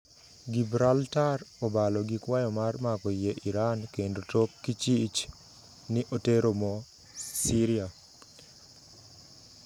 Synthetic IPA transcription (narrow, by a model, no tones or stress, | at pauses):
ɡibɾaltarɔbalɔɡɪkwajɔmarmakɔjeʔiɾankendotokːit͡ʃit͡ʃ | nɪʔoteɾomɔ | siɾia